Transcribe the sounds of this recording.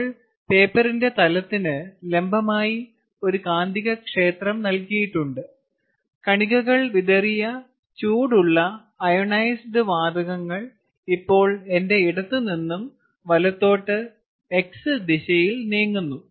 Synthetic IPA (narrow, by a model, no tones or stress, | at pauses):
ɭ | pe̞ːpːɐrinde̞t̪ɐlɐt̪ːinɨle̞mbɐmaːji | o̞ɾukaːnd̪ʱiɣɐkʂe̞ːt̪rɐmnɐlkijiʈːuɳɖɨ | kɐɳiɣɐɣɐɭʋiðɐrijɐ | t͡ɕuːɽuɭːɐː | joɳɐjsɖɨʋaːd̪ɐɣɐŋːɐɭ | ipːo̞ːɭe̞nde̞iɽɐt̪ːɨninːum | ʋɐlɐt̪ːo̞ːʈːɨ | e̞ksɨd̪iɕɐjilneːŋːunːu